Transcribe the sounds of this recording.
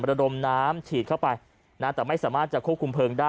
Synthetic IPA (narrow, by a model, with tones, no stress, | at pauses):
ɾa˧do˧mnaː˦˥mt͡ɕʰiː˨˩kʰa˥˩wpa˧j | na˦˥˩t̪ɛː˨˩ma˥˩jsaː˩˦maː˥˩t̪̚t͡ɕa˨˩kʰu˥˩p̚kʰu˧mpʰɤː˧ŋdaː˥˩